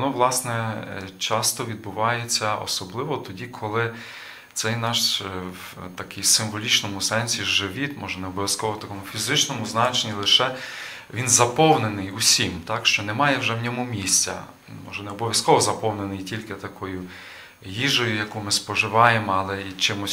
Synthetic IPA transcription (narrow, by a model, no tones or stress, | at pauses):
ɔnɔʋlˠɑsnɛt͡ʃɑst̪ɔʋʲid̪̚bʊʋɑjet͡sʲːɐɔ̰sɔblˠɪʋɔt̪ɔdʲikʰɔlˠɪ | t̪sɛjnɑʃw | t̪ɐkɪjsɪmʋɔlʲit͡ʃnɔmʊsɛnʲsʲiʒɪʋʲit̪mʔɔʒɛnɛɔbɔʋʲjɐskɔʋɔt̪ɐkɔmʊfʲizɪt͡ʃnɔmʊznɑt͡ʃenʲilˠɪʃɛ | ʋʲinzɐpɔwnenɪjusʲimt̪ɑkʃt͡ʃɔnɛmɑjɛwʒɛwnʲɔmumʲisʲt͡sʲɐ̰ | mɔ̰ʒɛnɛɔbɔʋʲjɐskɔʋɔzɐpɔwnenɪjtʲilʲket̪ɐkʰɔjʊ | jiʒɔjʊjɐkumɪspɔʒɪʋɑjemɔɐlˠɛit͡ʃɪmʊsʲ